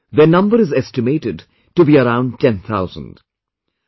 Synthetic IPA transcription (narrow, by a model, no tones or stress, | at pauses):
ðenʌ̃mbəɾɪzɛsʈɪmeːʈɪɖ | ʈubiəɾãʊ̃nɖʈɛ̃nt̪ʰaʊzə̰̃nd